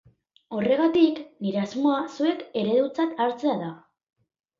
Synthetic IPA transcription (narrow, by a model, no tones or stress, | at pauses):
o̞re̞ɣat̪ikniɾe̞azmo̞asue̞ke̞ɾe̞ðut͡sat̪aɾt͡se̞aða